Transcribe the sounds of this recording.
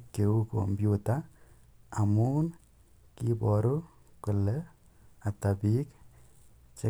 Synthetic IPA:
kːeuko̰mbjutaː | mun | kibɔɾu | kʊlɛ | atabik | t͡ʃe

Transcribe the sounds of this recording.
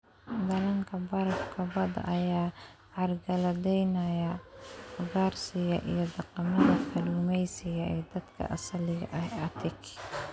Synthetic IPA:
d̪ɐlɐŋkʰɐbɐɾkʰɐbɐd̪ɐʔɐjaː | ʕɑrɡɐlɐd̪ɛjnɐjɐfʊɡaːrsɪjɐʔḭjɞd̪ɐqɑmɐðɐfɐluːmɛjsɪjɐɛːd̪ɐd̪kʰɐ̰ʔɐsɐlɪɣɐ̰ʔɐhɐt̪ʰɪk

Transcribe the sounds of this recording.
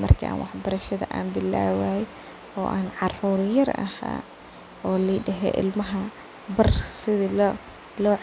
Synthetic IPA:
mɐ̰rkʰḭːʔa̰ːnwɑħbɐɾɐʃɐðɐ̰ʔaːnbɪlːa̰ːwaː | ɔːʔaːnʕɑruːɾjɐrɐ̰ha̰ː | ɔːliːɖɐɦɛ̰ːʔɪ̰lmɐɦɐ | bɐrsɪðil | lɔː

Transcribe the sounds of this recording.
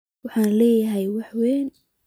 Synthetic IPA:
wɑħɑːnlɛːjɐɦɛjwɑħwɛːn

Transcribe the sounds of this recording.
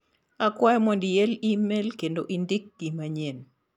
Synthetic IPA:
akwajmɔndijɛlimelkendoʔindik̚ɡimaɲen

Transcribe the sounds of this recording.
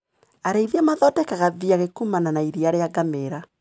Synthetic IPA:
aɾeiðiamaðɔtɛkaɣaviaɣekumananaiɾiaɾeaɡameɾa

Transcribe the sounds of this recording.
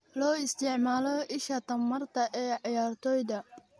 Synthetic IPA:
lɔːɪst̪ʰɪʕmaːlɔʔɪʃɐt̪ʰɐmːɐrt̪ʰɐʔɛːʕɪjaːrt̪ʰɔːjðɐ

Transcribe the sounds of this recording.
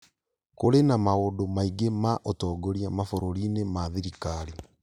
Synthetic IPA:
koɾenamaodomaiɡemaʔotɔːɡoɾiamafoɾoɾinemaðiɾikaɾi

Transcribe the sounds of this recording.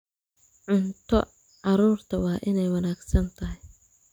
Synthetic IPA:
ʕʊnt̪ʰɔ | ʕɑɾuːrt̪ʰɐwɑːʔɪnɛjwɑnaːɡsɐnt̪ʰɐɦɪj

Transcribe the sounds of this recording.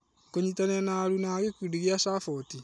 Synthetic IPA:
koɲitaneanaɾunaɣekiɾiɣeaʃafɔti

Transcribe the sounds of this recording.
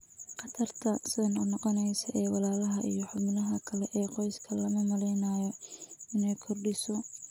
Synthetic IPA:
qɑt̪ʰɐrt̪ʰɐsɪðɐnɔnɔqɔnɛjsɐʔɛːwɑlaːlɐɦɐʔḭjɔħʊbɪnɐɦɐkʰɐlɛʔɛːqɔjskʰɐlɐmɐmɐlɛjnaːjɔɪnɛjkʰɔrɖɪsɔ

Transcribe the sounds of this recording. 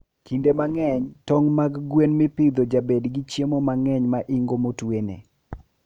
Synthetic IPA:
kʰindemaŋɛɲtɔŋmaɡɡwenmɪpɪd̪od͡ʒabedɡit͡ʃjemomaŋɛɲmaʔɪŋɡomotwenḛ

